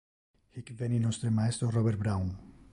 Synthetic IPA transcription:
hikveninost̪ɾemaest̪ɾoroβeɾ̚bɾawn

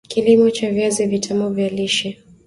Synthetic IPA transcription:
kʰilimɔt͡ʃavjazivitʰamɔvjaliʃɛ

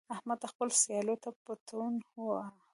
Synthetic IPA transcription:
ahmad̪axpəlsjɑlot̪apət̪ʰunoa

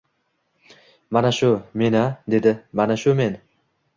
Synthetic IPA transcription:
manaʃʊme̞nad̪e̞d̪ɪmanaʃʊme̞n

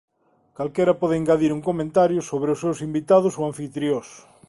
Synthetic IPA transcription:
kalkeɾɐpɔðeiŋɡaðiɾuŋkomẽnt̪aɾjʊsoβɾeʊsːewsimbit̪að̞ʊsoaɱfit̪ɾjos

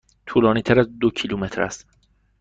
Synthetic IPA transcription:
t̪ʰuːlɒːniːt̪ʰæɾæzd̪ocʰiluːmet̪ʰɾæ̰st̪

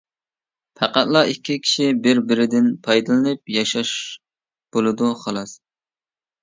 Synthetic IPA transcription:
pʰæqæt̪lˠɑikʲʰːikʲʰi̥ʃibɪɾbɪɾɪd̪ɪnpʰɑjd̪ɨlˠɨnɨp̚jɑʃɑʃ | b̥olˠɨd̪uχɑlˠɑs

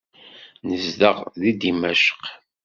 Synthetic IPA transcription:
nəzðəʁðid̪imæʃə̥q

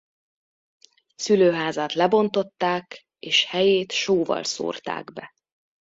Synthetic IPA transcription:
syløːɦaːzaːt̪lɛbo̞nt̪o̞t̪ːaːk | eːʃhɛjeːt̪ʃoːvɒ̰lso̰ːrt̪a̰ːɡbɛ

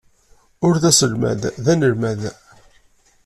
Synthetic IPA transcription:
ʊɾðæsəlmæ̰ððænəlmæð

